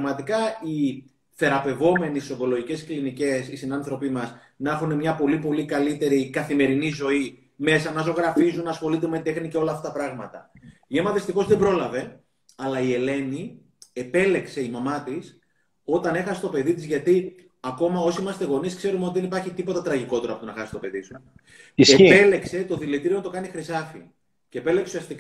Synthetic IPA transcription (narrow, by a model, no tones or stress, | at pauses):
ɣmɐt̪ikɐi | θe̞ɾɐpe̞vo̞me̞nisisoŋɡo̞lo̞ʝice̞sklinice̞sisinɐnθɾo̞pimɐs | nɐxune̞mɲɐpo̞lipo̞likɐlit̪e̞ɾikɐθime̞ɾinizo̞i | me̞sɐnɐzo̞ɣɾɐfizunɐsxo̞lit̪emet̪e̞xniceo̞lɐːfɐt̪ɐpɾɐɣmɐt̪ɐiemɐðist̪ixo̞zðe̞bɾo̞lɐve̞ | ɐlɐie̞le̞ni | e̞pe̞le̞kse̞imɐmɐt̪is | o̞t̪ɐne̞xɐsest̪o̞pe̞ðit̪izʝɐt̪i | ɐko̞mɐo̞siimɐst̪e̞ɣo̞niskse̞ɾumeot̪iðe̞nipɐɾçit̪ipo̞t̪ɐt̪ɾɐʝiko̞t̪e̞ɾɐponɐxɐsist̪o̞pe̞ðisu | eepe̞le̞kse̞t̪o̞ðilet̪iɾiont̪o̞kɐnixɾisɐfḭ | ce̞ːpe̞lekseusiɐst̪ik